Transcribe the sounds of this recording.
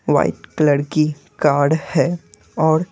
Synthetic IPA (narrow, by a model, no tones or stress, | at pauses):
ʋa̰ːɪʈkləɽki | kaːɾɖhɛ | ɔːɾ